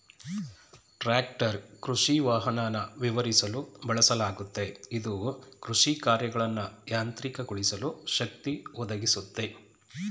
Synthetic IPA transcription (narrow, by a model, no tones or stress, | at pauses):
ʈɾaːkʈɐɾkɾuʂiʋaːɦɐnaːnɐʋiʋɐɾisɐlubɐɭɐsɐlaːɡut̪ːe̞id̪ukɾuʂikaːɾjɐɡɐɭɐnːɐjaːnt̪ɾikɐɡuɭisɐluʃɐk̚t̪iɔd̪ɐɡisut̪ːe̞